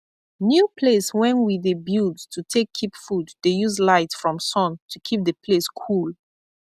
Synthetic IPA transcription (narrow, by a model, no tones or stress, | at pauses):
njupʰleswɛ̃nwiðəbjudstʰutʰekʰːipfuddejuzlaɪtsfɹɔ̃msɔ̃ntʰukʰip̚ðəpʰleskʰul